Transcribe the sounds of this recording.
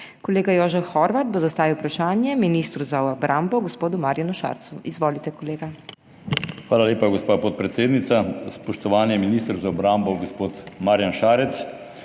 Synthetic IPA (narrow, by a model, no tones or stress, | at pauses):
kɔleːɡajoːʒɛwxɔɾʋat̪̚bozast̪aːʋiwpɾaʃaːnjɛminist̪ɾuzaɔbɾʔambɔɡɔspoːd̪umaɾjanuʃa̰ːɾt̪suizʋoːlit̪ɛkɔleːɡa | xʋaːlaleːpaɡospaːpɔt̪̚pɾɛt̪seːd̪nit̪saspɔʃt̪ɔʋaːnjɛminist̪ɾzaɔbɾambɔɡospoːt̪maːɾjanʃaːɾɛt̪s